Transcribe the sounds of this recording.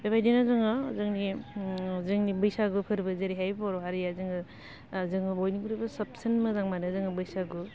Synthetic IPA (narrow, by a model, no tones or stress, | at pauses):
bebʰajdenazɯŋɯzɯŋni | zɯŋnibɯjsaɡɯpʰɯɾbɯzeɾiɦajbaɾɔɦaɾijazɯŋɯ | zɯŋɯbojniɡuɾibɐsɐp̚sɐnmɯzaŋmanɯzɯŋɯbɯjsaɡu